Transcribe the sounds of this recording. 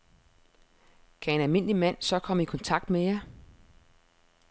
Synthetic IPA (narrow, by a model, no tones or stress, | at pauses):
kʰæe̝nælme̝n̰limæn̰sɒ̽kʰɒ̽m̰əikʰɒ̽nt͡sʰɑ̈ɡ̥̚d̥mejɑ